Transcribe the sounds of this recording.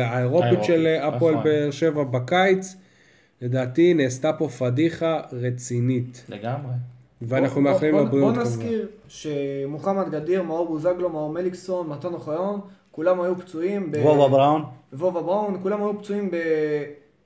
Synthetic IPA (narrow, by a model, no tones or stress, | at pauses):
aeʁo̞pit̪ʃelapoelbeːʁʃe̞vabakajt͡s | le̞d̪aːtineːst̪apo̞fadiχaʁet͡sinitleɡamʁe | veanaχnumealimlabʁijonaskiʁ | ʃemuχamat̪ɡadiʁmauʁuzaɡlo̞maumelikso̞nmatonoχajonkulamajupt͡suimbevovabʁanvovabʁaunkulamajupt͡suimbe